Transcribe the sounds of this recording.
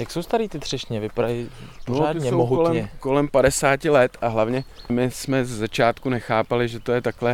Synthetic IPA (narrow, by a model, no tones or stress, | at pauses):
jaksowst̪aɾiːt̪ɪt̪r̝̥ɛʃɲɛvɪpaɾajɪpooaːd̪ɪɲɛowmoɦuolɛmɲɛko̞lɛmpadɛsaːcɪlɛt̪aɦlavɲɛmɪsmɛzɛzat͡ʃaːt̪kunɛxaːpalɪʒɛt̪o̞jɛt̪aklɛ